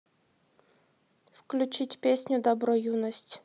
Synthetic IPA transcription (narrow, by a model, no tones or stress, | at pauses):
fklʲʉt͡ɕitʲpʲesʲnʲʊd̪ɐbɾɔjunəsʲtʲ